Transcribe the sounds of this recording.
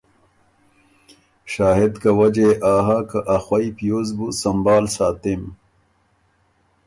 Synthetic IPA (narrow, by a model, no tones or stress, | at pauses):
ɕaːɦed̪kɐwɐd͡ʑeʔaːɦaːkɐʔɐxwɐipijoːzbusɐmbaːlsaːt̪im